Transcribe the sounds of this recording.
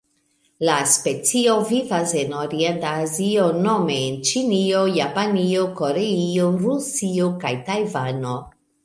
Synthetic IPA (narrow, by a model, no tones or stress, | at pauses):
laspe̞t͡sio̞vivase̞no̞ɾientaːzio̞no̞me̞ːnt͡ʃinio̞japanio̞ko̞ɾe̞io̞ɾusio̞kajtajvano̞